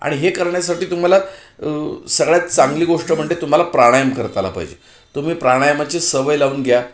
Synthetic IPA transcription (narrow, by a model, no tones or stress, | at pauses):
a̰ɽ̃iɦekəɾɳjas̬aʈiːt̪um̤ala | səɡɭjat̪t͡saŋɡliːɡoʂʈəm̤əɳʈet̪um̤alapɾaɽ̃ajəmkəɾt̪ala̰pa̰ɦid͡ʑḛ | t̪um̤iːpɾaɽ̃ajəmat͡ɕesəʋəjlauːnɡʱja